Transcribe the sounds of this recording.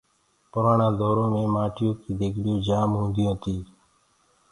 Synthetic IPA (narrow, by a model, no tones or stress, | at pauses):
pʊɾaːɳãːd̪ɔːɾõːmẽːmaːʈʰɪjõːkiːd̪eːkʰɗɪjõːd͡ʒaːmɦũːnd̪ɪjõːt̪ʰiː